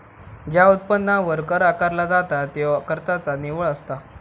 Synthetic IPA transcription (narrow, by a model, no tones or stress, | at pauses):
d͡ʑjaut̪̚pənːaʋəɾkəɾakaɾlad͡zat̪at̪eʋkəɾt̪at͡saneʋəɭəst̪a